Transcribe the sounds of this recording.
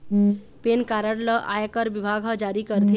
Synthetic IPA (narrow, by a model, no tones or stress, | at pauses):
penkaɾəɽləʔa̰jekəɾbibʱaɡʱɦə̃d͡ʒaɾikəɾt̪ʰi